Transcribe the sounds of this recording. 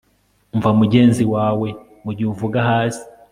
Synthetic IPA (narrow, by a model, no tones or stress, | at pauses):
ɱvamuɟe̞ːnziwaːwe̞ | muɟuːɱvuɡaɦaːsi̥